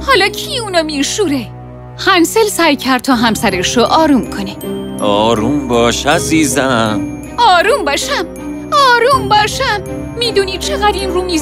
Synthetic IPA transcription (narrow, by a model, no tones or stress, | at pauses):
hɒːlɒːcʰiːuːnɒːmiʃuːɾe | xænselsæːjcʰæɾd̪̚t̪ʰɒːɦæmsæɾeʃoʔɒːɾuːmkʰoneʔɒːɾuːmbɒːʃæziːzæm | ɒːɾuːmbɒːʃæm | ɒːɾuːmbɒːʃæmː | iːd̪uːniːd̪̚t͡ʃʰeɣæd̪iːmruːmi